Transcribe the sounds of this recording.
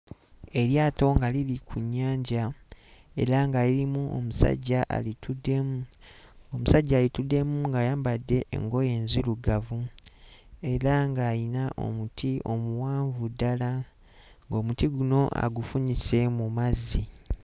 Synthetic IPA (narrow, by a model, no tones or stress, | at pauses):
e̞ɾjaːto̞ŋɡalilikʰuɲːaːɲɟa | e̞̰ɾaŋɡaliɾimuo̰musa̰ɟːaʔa̰litʰudem | omusaɟːaːlitude̞muŋɡaːjaːmbadːe̞ʔːŋɡo̞je̞ːnziluɡavu | e̞ɾaŋɡaːjinaʔo̞̰mutʰiʔo̞muwaːɱvudala | ŋɡo̞ːmutiɡuno̞ʔa̰ɡufuɲise̞mumazi